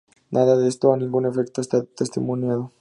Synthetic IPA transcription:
nʔaðaðest̪oanĩŋɡune̞fekt̪oest̪at̪est̪ḭmunjaðo

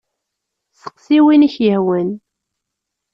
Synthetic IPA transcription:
sə̥qːsiwiniçjəhwən

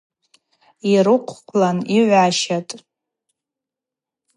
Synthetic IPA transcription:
iɾɨqʷʰqʷʰlaniʕʷaʃatʼ

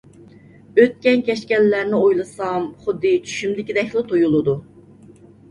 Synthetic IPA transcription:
øt̪̚kʲɛnkʲɛʃkʲɛlːæɾnɪojlˠɨsɑmχʊd̪ːɨt͡ʃʰy̥ʃymd̪ɪkʲid̪ɛkʰʲlˠɪt̪ʰojulˠɨd̪u

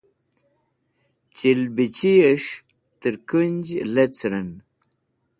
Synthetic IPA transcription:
t͡ɕilbit͡ɕijeʂ | t̪əɾkunʲd͡ʑlet͡sɾən

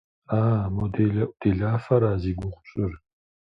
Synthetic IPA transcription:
aːmod̪eɮɐʔʷʼd̪̥eɮaːfɐɾaːziːɡʷʊχʷɕʼɨr

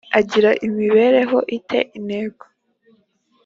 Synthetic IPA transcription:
aɟiɾaʔimiβe̞ɾe̞ɦo̞ʔitʰe̞̰ʔineːɡa

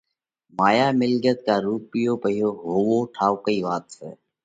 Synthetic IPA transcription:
maːjaːmɪlɡət̪̚kaːɾuːpɪjoːpəɦijoːɦoːwoːʈʰaːwkəiːʋaːt̪sḛː

